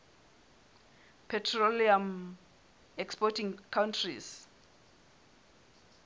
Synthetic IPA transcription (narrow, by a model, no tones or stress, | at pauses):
pʰɛtʰroliam | ɛkspɔtʰĩŋkʰawntʰris